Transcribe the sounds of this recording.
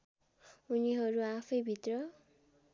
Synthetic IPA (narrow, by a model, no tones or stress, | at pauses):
uniɦʌɾuapʰʌjbʱit̪rʌ